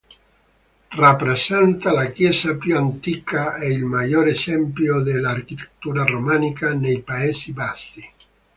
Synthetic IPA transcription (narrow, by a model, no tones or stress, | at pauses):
rapːɾesɛnt̪alakjɛːsapjuant̪ikaɛilmajɔːɾesɛmpljod̪elarkit̪ʰe̥t̪ːuːɾaromanikanejpaeːsibasi